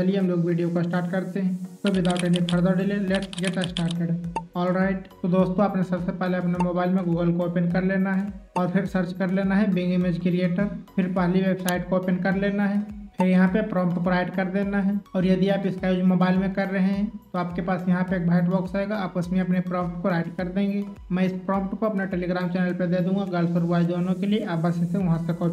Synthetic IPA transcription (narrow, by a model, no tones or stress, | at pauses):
d͡ʒɐlieɦɐmloːɡʋiːɖijokasʈaːɾʈkɐɾt̪eɦɛ̃t̪oʋɪd̪aːʊʈenipʰɐɾd̪aɖɪleleʈɡeːt̪asʈaːɾʈ̚kɐɾɖeɔːlɾaːɪʈt̪od̪oːst̪õaːpnesɐbsepɛɦleɐpnemoːbaːɪlmẽɡuːɡəlkoːpɪnkɐɾleːnaɦɛɔːɾpʰɪɾsəɾt͡ʃkɐɾleːnaɦɛbɪ̃ŋɡɪmed͡ʒkɪɾijeːʈəɾpʰɪɾpɛɦliʋeːbsaːɪʈkoːpɪnkɐɾleːnaɦɛːpʰɪɾjɐɦãpepɾɔ̃ːmpʈkoɾaːɪɖkɐɾd̪eːnaɦɛɔːɾjɐd̪iaːpɪskajuːd͡ʒmoːbaːɪlmẽkɐɾːɐɦẽɦɛ̃t̪oaːpkepaːsjɐɦãpeeːk̚bʱaːɪʈbɔːksaːeɡaaːpɐsmĩɐpnepɾɔ̃ːmp̚ʈkoɾaːɪɖkɐɾd̪ẽːŋɡe | mɛ̃ɪspɾɔ̃ːmp̚ʈkoɐpnaʈeːliɡɾaːmt͡ʃɛːnəlped̪eːd̪ũːŋɡaɡəlsʊɾuaːid̪oːnõkelieʔaːbaseseʋɐɦãsekoːp